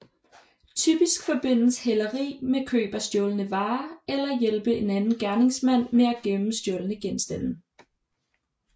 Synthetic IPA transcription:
t͡sʰyb̥isɡ̥fɒ̽b̥e̝n̰l̩shelɐʁḭːmekʰø̰ːb̥ɐsd̥jɔːlənəʋɑ̈ːelɐjelb̥əe̝nænn̩ɡ̥æɐne̝ŋsmæn̰meæɡ̥emm̩sd̥jɔlənəɡ̥ensd̥æn̰n̩

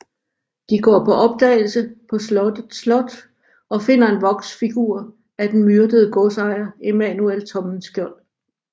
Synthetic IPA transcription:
d̥iɡ̥ɒ̰ːpʰɒ̽ʔɒ̽b̥̚d̥ɛ̰ːɪl̩səpʰɒ̽slɒd̥əð̩ˠslɒ̽d̥ | ɒ̽fe̝n̰ɐe̝nʋɒ̽ɡ̥sfiɡ̥uɐ̰ | æd̥en̩myɐd̥əð̞̩ˠəɡ̥ɔsɑ̈ɪɐe̝mænuelt͡sʰɒ̽mn̩sɡ̥jɒɐn

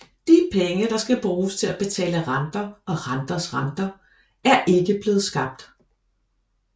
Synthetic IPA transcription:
d̥ipʰeŋəd̥ɑ̈sɡ̥æb̥ʁuːst͡sʰe̝læb̥e̝t͡sʰɛ̰ːləʁɑnd̥ɐɒ̽ʁɑnd̥ɐsʁɑ̈nd̥ɐ | æɐʔe̝ɡ̥əb̥le̝ːð̞̩ˠsɡ̥ɑ̈b̥̚d̥

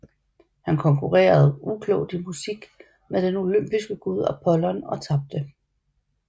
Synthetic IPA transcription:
hænkʰɒ̽ŋkʰuʁḛːɐð̞ˠukʰlɔʊd̥imusiɡ̥ | med̥eno̝løm̰b̥isɡ̥əɡ̥uð̞̰ˠæpʰɒ̽lɒnɒ̽t͡sʰɑ̈b̥̚d̥ə

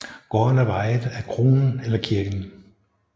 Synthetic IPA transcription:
ɡ̥ɒɒnæʋɑ̈ɪðˠækʰʁo̝ːnn̩elɐkʰiɐɡ̥n̩

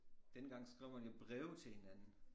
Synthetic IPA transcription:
d̥enəɡ̥ɑ̈ŋ̰sɡ̥ʁiʊ̰hænib̥ʁɛʊ̰t͡sʰe̝lhe̝nænn̩

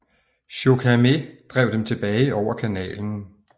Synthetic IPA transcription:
ɕo̝kʰæmed̥ʁɛʊd̥emt͡sʰe̝b̥ɛːɪɒʊ̰ɐkʰænɛ̰ːln̩

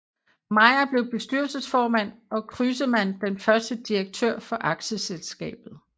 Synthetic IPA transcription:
mɑ̈ɪɐb̥le̝ʊb̥e̝sd̥yɐlsəsfɒːmæn̰ɒ̽kʰʁysəmænd̥enfɶɐsd̥əd̥ieɡ̥̚t͡sʰøɐ̰fɒ̽ʔɑ̈ɡ̥ɕəselsɡ̥ɛ̰ːb̥ð̩ˠ

